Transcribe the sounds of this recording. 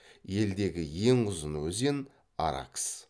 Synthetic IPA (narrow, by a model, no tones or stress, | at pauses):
je̞ld̪e̞ɡʲɪje̞ŋʊzənwɵze̞n | a̰ɾa̰ks